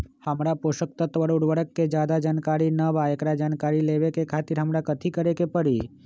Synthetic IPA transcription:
həmɾapoʃək̚t̪ət̪ʋəɽoɽʋəɽəkːed͡ʒjaːd̪ad͡ʒaːnkaɾinəbʱaekɾad͡ʒaːnkaːɾileʋekekʰaːt̪iɾɦəmɾakət̪ʰikəɾekepəɽi

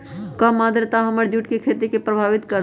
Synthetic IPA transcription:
kəmːaːd̪ɾt̪aɦəməɾd͡ʒuʈkekʰeːt̪ikepɾəbʱaːʋɪt̪kəɾ

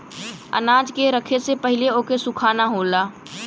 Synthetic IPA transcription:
ə̰naːd͡ʒkeɾəkʰesepɐɦɪleoːkesʊkʰaːnaɦoːlaː

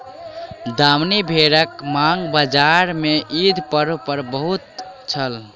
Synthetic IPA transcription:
d̪amnibʱeɾəkmaŋɡbad͡ʒaɾmeʔid̪ʱpəɾpəɾbəɦut̪t͡ʃʰəl

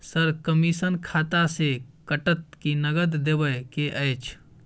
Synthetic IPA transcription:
səɾkəmisənkʰaːt̪asekəʈət̪̚kinəɡəd̪d̪ebəjkeʔət͡ʃʰ

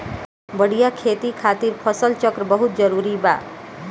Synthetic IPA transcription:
bəɽ̤ijakʰet̪ikʰat̪iɾpʰʌsəlt͡ʃəkɾəbəɦut̪̚d͡ʒəɾuɾiba̰

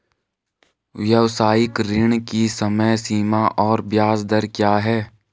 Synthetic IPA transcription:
ʋjəʋsaːjɪkɾɪɳ̃kisəməjsiːmaʔɔːɾbjaːzd̪əɾkjaːɦɛː

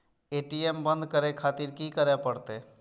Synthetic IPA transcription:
eːʈiembə̃nd̪kəɾekʰaːt̪iɾkikəɾepəɽt̪e

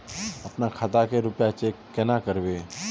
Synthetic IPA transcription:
ɐpnakʰat̪akeɾʊpjat͡ʃeːkkːɛnakəɾʋeː

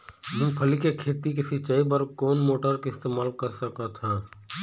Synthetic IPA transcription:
ɦɪmpʰəlikekʰeːt̪ik̬ɪsɪt͡ʃaːipəɾkoːnmoːʈəɾkeɪst̪eːmaːlkɐɾsɐkat̪ʰãː

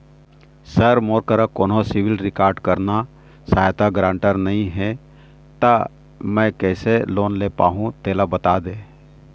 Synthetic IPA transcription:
sɐɾmoːɾkəɾakoːnosɪʋɪlɾɪkaːɾɖkɐɾna | saːjt̪aɡɾãːɳʈəɾnɐɦĩɦɛ | t̪a | mɛ̃kɛːseloːnleːpa̰ːɦũt̪eːlabɐt̪aːd̪ẽː

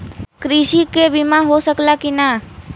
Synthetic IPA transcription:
kɾiʃikebʱimãɦosəklakina

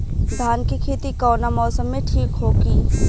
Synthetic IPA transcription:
d̪ʱaːnkikʰeːt̪ikɔːnamɔːsəmːẽʈʰiːkɦoːɡiː

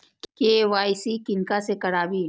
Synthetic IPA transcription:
keːʋaːjsikɪnkasekɐɽaːbiː

